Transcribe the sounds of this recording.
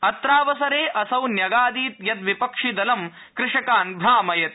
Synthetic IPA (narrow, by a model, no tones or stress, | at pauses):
ɐt̪ɾaːʋɐsɐɾeːʔɐsɐwnjɐɡaːd̪iːt̪jɐt̪ʋipɐkʂid̪ɐlɐm | kɾɪʂɐkaːnbʱɾaːmɐjɐt̪